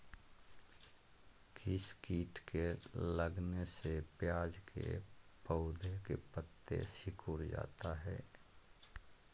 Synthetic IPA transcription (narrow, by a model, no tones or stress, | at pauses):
kʰiskiːʈkeləɡnesepjaːd͡ʒkʰḛpəʊd̪ʱekḛpət̪ːḛsɪkʰuɾd͡ʒa̰ːt̪aɦɛː